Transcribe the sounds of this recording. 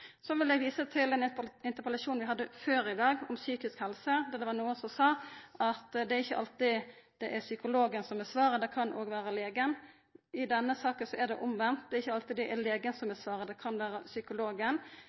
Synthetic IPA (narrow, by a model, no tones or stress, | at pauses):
sɔʋɪld̪ɛɡʋiːsət̪ʰɪlɛnɪnt̪əɾpəlɑʃuːnʋɪɦɑd̪ːəføːɾɪd̪ɑːɡɔmsyːkɪskhɛlsəd̪ɛd̪ɛʋɑnuːənsɔmsɑːɑt̪d̪ɛæɾɪçːəʔɑ̰lt̪ɪd̪̥ɛʔæɾsʏkʊloːɡənsɔmæsʋɑːɾəd̪ɛkʰɑnʔoːɡʋæːɾəleːɡən | ɪd̪ɛnːəsɑːkənsɔɛd̪ɛʔʊmʋɛnt̪̚d̪ɛɾɪçːəɑlt̪ɪd̪ɛʔæɾleːɡənsɔmæsʋɑːɾəd̪ɛkʰɑnʋæːɾəsʏkʊloːɡən